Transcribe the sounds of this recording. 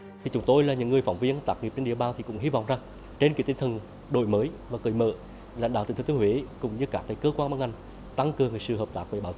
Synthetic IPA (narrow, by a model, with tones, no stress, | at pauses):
t̪ʰi˨˩t͡ɕʊ˨˦ŋ͡mt̪o˧jlaː˨˩ɲɨ̰˧˥ŋːɨ˨˩əjfa˧˦wŋ͡mvi˧ənt̪aː˨˩k̚ŋi˨˩p̚t͡ɕe˧nɗi˧˨əɓaː˨˩nt̪ʰi˨˩kʊ̰˧˥ŋ͡mhi˧vɔ̰˧˨wŋ͡mza˨˩ŋ | t͡ɕe˧nkḭ˧˥t̪t̪ʰə˨˩n | ɗo̰˧˨jməː˨˦jvaː˨˩kɨ˨˩jmə̰ː˧˨ | laː˨˧˨jŋɗa̰˧˨˩i˧˩˨t̪ʰːt̪i˧˦hwe˧˦kʊ̰˧˨ŋ͡mɲɨ˨˧˦kaː˦˥k̪̚ːaː˨˦jkəː˧kwa˧nmaː˧˥nŋʔa˨˩jŋ̟ | t̪a˧ŋkɨ˨əŋːɨː˨˩jsɨ̰˧˨ɦəː˨˩p̚t̪aː˦˥k̚ve˧˩ɓaː˨˦w